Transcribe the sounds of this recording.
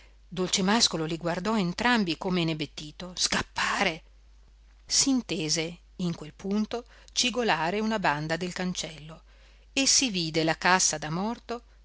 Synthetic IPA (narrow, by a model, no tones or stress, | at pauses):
d̪olt͡ʃemaskololiɡward̪ɔent̪ɾambikomenebet̪ːiːt̪oskapːaːɾe | siːnt̪eːze | iŋkwelpʰunt̪o | t͡ʃiɡolaːɾeunaband̪ad̪elkant͡ʃɛlːo | esiviːd̪elakasːad̪amɔrt̪o